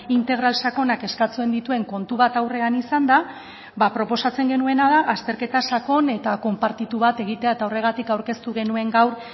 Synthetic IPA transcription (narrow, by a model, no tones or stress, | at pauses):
int̪e̞ɣ̞ɾalsako̞nake̞skat͡sue̞nd̪it̪ue̞ŋko̞nt̪uβat̪awre̞anisand̪a | βapɾo̞po̞sat͡se̞ŋɡe̞nue̞naðaʔast̪e̞ɾke̞t̪asako̞ne̞t̪ako̞mpaɾt̪it̪uβat̪e̞ɣ̞it̪e̞ae̞t̪aore̞ɣ̞at̪ikawɾke̞st̪uɣ̞e̞nue̞ŋɡawɾ